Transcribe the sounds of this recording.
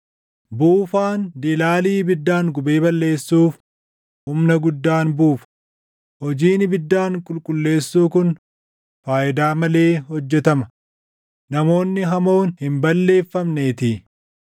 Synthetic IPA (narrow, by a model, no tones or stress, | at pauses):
buːfaːnd̪ɪlaːliːbɪd̪ːaːŋɡʊbeːbɐlːe̞ːsːuːf | ʊmnɐɡʊd̪ːaːnbuːfɐ̥ | hɔd͡ʒiːnɪbɪd̪ːaːŋkʼʊlkʼʊlːe̞ːsːuːkʊn | faːʔɪd̪aːmɐle̞ːhɔd͡ʒːɛt̪ɐmɐ | nɐmo̞ːnːɪɦɐmo̞ːnhɪmbɐlːe̞ːfːɐmne̞ːt̪ɪ